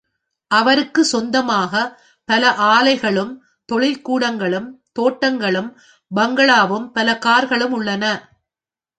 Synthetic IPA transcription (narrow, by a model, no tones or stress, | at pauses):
ʔɐʋɐɾɯkːɯsɔnd̪ɐmaːɣɐ | pɐlɐʔaːlɐɪɣɐɭɯm | t̪ɔɭɪlkuːɽɐŋɡɐɭɯmt̪oːʈːɐŋɡɐɭɯm | bɐŋɡɐɭaːʋɯmpɐlɐkaːɾɣɐɭɯmʊɭːɐnɐ